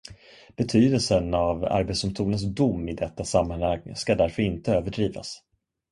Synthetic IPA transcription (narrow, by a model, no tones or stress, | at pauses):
b̥ɛt̪ʰyːd̪əlsənava̰ɾbɛt̪sd̪ʊmst̪ʰuːnəns̬d̪ʊmːɪd̪ɛt̪ːasamːanhaŋskad̪æɾfœɾɪnt̪əøːvəɖɾiːva̰s